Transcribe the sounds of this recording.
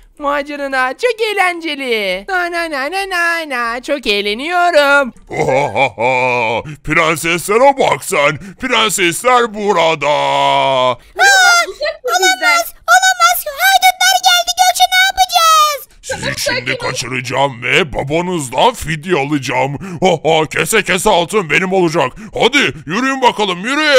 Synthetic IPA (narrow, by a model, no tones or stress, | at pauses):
maːd͡ʒaɾɯnat͡ʃʰo̞kejlʲænd͡ʒelʲianajnajnajnajnat͡ʃʰo̞kejlʲenijo̞ɾumaɦaɦaɦapʰiɾansɛslʲæɾobaksænpiɾænsɛslʲæɾbuɾad̪a | a | olˠamaz̥olˠamaz̥hajd̪ɯnd̪æɾɟælʲd̪iɟølʲt͡ʃʰenaapad͡ʒaz̥ | sizʃimd̪ikʰat͡ʃʰɯɾɯd͡ʒaːmvɛbabanɯzd̪anfid̪ialˠɯd͡ʒaːmohacʰesɛcʰesɛalˠt̪ʰɯnbe̞nimolˠud͡ʒak | had̪ijyɾyjymbakʰalˠɯmjyɾyj